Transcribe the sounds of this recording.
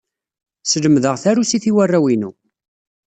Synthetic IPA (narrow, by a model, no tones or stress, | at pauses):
sələmðəʁθæɾusiθiwærːæwinu